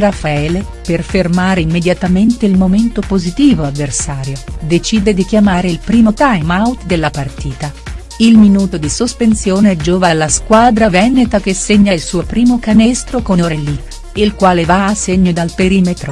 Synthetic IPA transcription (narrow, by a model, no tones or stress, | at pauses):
rafaɛːle | perfermaːɾeimːed̪jat̪ament̪eilmoment̪opozit̪iːvoavːersaːɾjod̪et͡ʃiːd̪ed̪ik̟jamaːɾeilpɾiːmot̪ajmawt̪d̪elːapart̪iːt̪a | ilminuːt̪od̪isospensjoːneɛd͡ʒoːvalːaskwaːd̪ɾavɛnet̪ak̟esːeɲːailsuːopɾiːmokanɛst̪ɾokonoɾɛlːi | ilkwaːlevaːsːeɲːod̪alpeɾiːmet̪ɾo